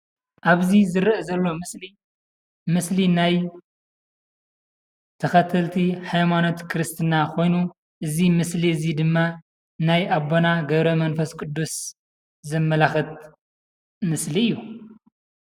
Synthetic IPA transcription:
ʔaβzizɨɾʔɐzɐlːo̞msli | mɨslinaj | t̪ʰɐxɐt̪ʰɐlt̪ʰiħajmano̞t̪kʰɨɾɨst̪ʰɨnakʰo̞jnu | ʔɨzimɨsliɨzid̪ɨmːa | najʔaβonaɡɐβɾɐmɐnfɐskʼɨd̪ːus | zɐmːɐlaxɨt̪̚ | mɨsliɨjːu

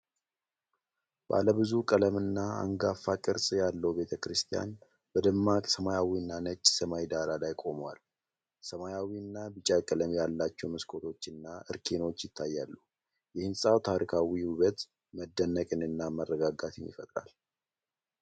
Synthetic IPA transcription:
b̥a̰ləβɨzukʼələmɨnːaa̰ŋɡafːakʼɨɾsʼjalːəwbe̞t̪ʰəkɾɨst̪ʰija̰n | bəd̪ɨmːakʼsəmajawiɨnːanət͡ʃʼːsəmajd̪aɾalajkʼo̞mwa̰l | səmajawiɨnːabɨt͡ʃʼakʼələmjalːat͡ʃːɛwmɨskʰo̞t̪ʰo̞t͡ʃːɨnːaʔɨɾkʰe̞no̞t͡ʃːjɪt̪ʰːajːalːuh | jɛhɨnsʼawt̪ʰaɾikʰawiwuβət̪ | məd̪ːənːəkʼɨnɨnːamərːəɡaɡat̪ʰɪɲːɪ̰fət̪ʼɾa̰l

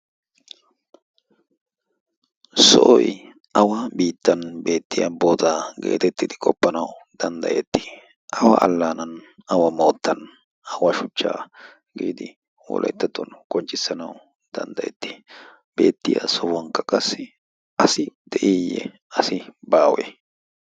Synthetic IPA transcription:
sɔ̰ʔɔj | ʔɐwɐbiːt̪ːɐnbe̞ːt̪ːɪjɐboːt̪aːɡe̞̰ːt̪ɛt̪ːɪd̪ɪkʼɔpːɐnɐwd̪̥ɐnd̪ɐ̰jɛt̪ːɪ̥ | ʔɐwɐ̰ʔɐ̰lːaːnɐnɐwɐmo̞ːt̪ːɐn | ɐwɐʃʊt͡ʃːa̰ː | ɡiːd̪ɪ | wɔ̰lʔɐ̰jt̪ːɐt̪ːɔnkʼɔnt͡ʃʼːɪsːɐnɐw | d̪̥ɐ̰nd̪ɐjɛ̰t̪ːɪ̥ | b̥e̞̰ːt̪ːɪja̰sɔwɐŋkːɐkʼɐsːɪ | ʔɐsɪd̪̥ɛʔiːjɛ̰ | ɐsɪbaːwɛ̰

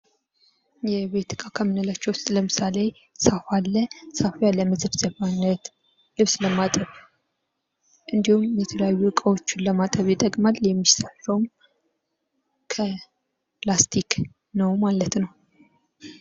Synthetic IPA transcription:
jɛβe̞t̪ʰɨkʼakʰəmɨnəlat͡ʃːɛwʊst̪ʼləmɨsale̞ | safalːəsafjalːəməzɨɾzʼəfanːət̪ | lɨβsləmat̪ʼəβ | ʔɨnd̪ihumjɛt̪ʰələjajːukʼəwo̞t͡ʃːɪnləmat̪ʼəβjɛt̪ʼəɡʼmaljɛmːisaɾəwm | kʰə | plast̪ʰik | nəwmalət̪nəw

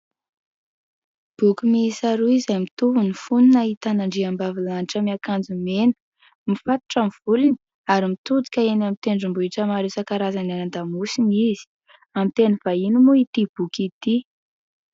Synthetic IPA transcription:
b̥ukumisaɾuizamit̪uvunifununait̪anaɳɖ͡ʐiambavilaniʈ͡ʂəmiakand͡zumenə̥ | mifat̪u̥ʈ͡ʂamv̥uluni̥ | aɾimit̪ud͡z̪i̥kʲəenamit̪eɳɖ͡ʐumbuiʈ͡ʂəmaɾesakaɾazananand̪amusiniz̥i̥ | amit̪enəvainumuit̪ib̥ukʲit̪i

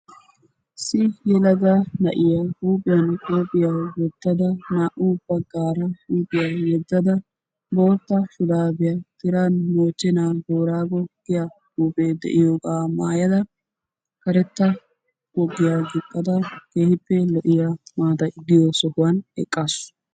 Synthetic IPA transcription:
sɪjɛlɐɡanɐ̰ʔɪjahuːpʼɪjɐnkʼoːpʼɪjawɛd̪̥ːɐd̪ɐnaːʔubːɐɡaːɾɐhuːpʼɪjawɛd̪ːɐd̪ɐ | bo̞ːɾt̪ːɐʃʊd̪aːbɪjat̪ɪɾanmoːt͡ʃːɛnaːboːɾaːɡɔɡ̥ɪjahuːpʼeːd̪ɛ̰ʔɪjoːɡaːmaːjɐd̪ɐ | kɐɾɛt̪ːɐ | ɡɔɡːɪjaːɡɪkʼːɐd̪ɐkeːhɪpːɛlɔʔɪjamaːt̪ɐɪd̪ːɪjoːsɔhʊwɐnɛ̰kʼːas

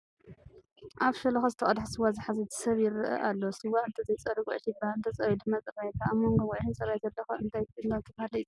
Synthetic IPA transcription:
ʔaβʃɐlɐxɐzɨt̪ʰɐχʼɐd̪ħsɨwːazɨħazɐt̪ʰɨ̥sɐβjɪɾɨʔɐ̰ʔalːosɨwːaɨnt̪ʰɐzɐjt͡sʼɐɾiwɔʕʃibaɨnt̪ʰɐt͡sʼɐɾid̪ɨmɐt͡sʼɨβajk̪ʰaamːoŋɡowɔʕʃint͡sʼɐβajzɐlːɐxɐɨnt̪ʰajɨnd̪ant̪ʰɐbahalɐji

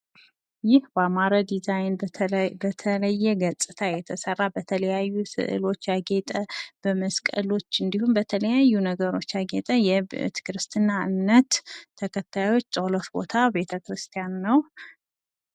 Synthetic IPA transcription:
jɪhbamaɾad̪izajnbət̪ʰələjːɛɡəsʼɨt̪ʰajɛt̪ʰəsərːabət̪ʰələjajːusɨ̰ʔɨ̰lo̞t͡ʃːjaɡet̪ʼəb̥əməskʼə̰lo̞t͡ʃːɨnd̪ihunbət̪ʰələjajːunəɡəɾo̞t͡ʃːjaɡet̪ʼəjɛt̪ʰɨ̥kɾɨst̪ʰɨnːaɨnːət̪ʰːəkʰət̪ʰːajo̞t͡ʃːt͡ʃʼoləfbo̞̰t̪ʰabe̞t̪ʰəkɾɨst̪ʰijanːəw

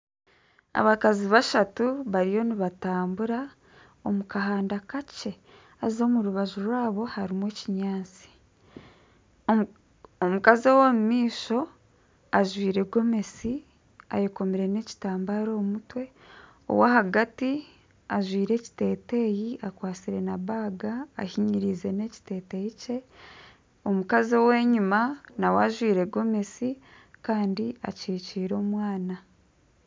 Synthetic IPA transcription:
a̰βakaziβaʃatuβaɾijo̞niβataːmbuɾa | o̞mukaɦaːndakace̞ | azzo̞ːmuɾuβaʒuɾwaːβo̞haɾimwe̞ːciɲaːt͡si̥ | omukazowomumiːʃo̞ | aʒwiːɾe̞ɡo̞me̞si | a̰jeko̞miɾe̞ne̞ci̥taːmbaːɾo̞ːmutwe̞ | o̰waɦaɡati | aʒwiːɾe̞ːci̥te̞ːte̞jiʔakwaːt͡siɾe̞naβaːɡaːhiɲiɾize̞ne̞ci̥te̞ːte̞jice̞ | o̞mukazowe̞ːɲimanawaʒwiːɾe̞ɡo̞me̞si | kaːndia̰ciːciːɾo̞ːmwaːna

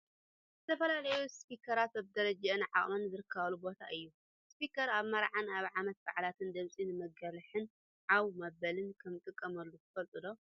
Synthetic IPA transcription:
zɨt̪ʰɐfɐlalɐjuspikʰɐɾat̪aβd̪ɐɾɐd͡ʒaɨnʕaχʼmɐnzɨɾɨkʰːɐβɐlubo̞t̪ʰaʔɨjːu | spikʰɐɾaβmɐɾʕanaβʕamɐt̪̚ba̰ʕlat̪ʰɨnd̪ɐmsʼinɨmɐɡɐlħɨn | ʕawmɐβɐlɨnkʰɐmt̪ʼɨkʼːɐmɐlːut̪ʰɨfɐlt̪ʼɨd̪o̞

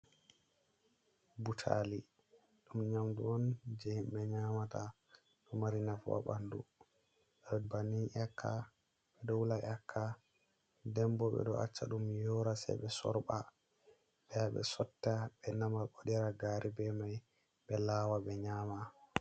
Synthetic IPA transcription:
butʰa̰li | ɗumɲamduɔnd͡ʒeimɓɛɲaːmata | ɗumaɾinafa̰ɓandṵ | ɛbaniʔakʰːa̰ | ɓɛɗɔwulaʔakʰːa | dɛmbɔɓɛ̰ɗɔa̰t͡ʃːa̰ɗumjɔɾasɛ̰jɓɛsɔ̰ɾɓa | ɓɛjaɓɛ̰sɔtːaɓɛnamaɓɔɗɛɾaɡaːɾʔibɛmaj | ɓɛlaːwaɓɛɲaːma

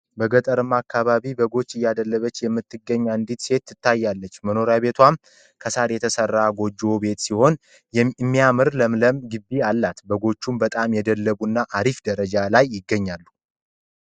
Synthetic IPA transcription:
bəɡət̪ʼəɾɨmakːaβaβibəɡo̞t͡ʃːɨjːad̪əlːəβət͡ʃːjɛmːɨt̪ːɨɡəɲːand̪it̪se̞t̪ːɨt̪ʰːajːalːət͡ʃːməno̞ɾjaβe̞t̪ʰwam | kʰəsaɾjɛt̪ʰəsərːaɡo̞d͡ʒːo̞be̞t̪siho̞n | jɛmːijamɨɾləmləmɡɨbːialːat̪bəɡo̞t͡ʃːumbət̪ʼamjɛd̪əlːəβunːaʔaɾifd̪əɾəd͡ʒalajːɪɡːəɲːalːu

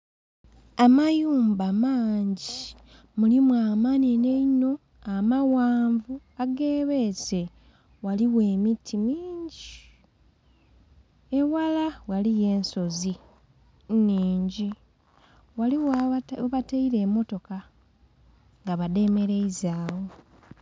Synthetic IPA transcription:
amajuːmbamaːɲɟi | mulimwamanineino̞ | amawaːɱvu | aɡe̞ːβese | waliwe̞ːmitʰːimiːɲɟi | ewalawalije̞ːnso̞zi | niːɲɟi | waliwβateiɾe̞ːmo̞to̞ka | ŋɡaβade̞me̞ɾe̞izaːwo̞

